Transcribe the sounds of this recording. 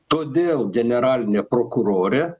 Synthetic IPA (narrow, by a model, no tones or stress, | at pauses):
t̪od̪eld͡ʒeneɾalʲnepɾokuɾoːɾe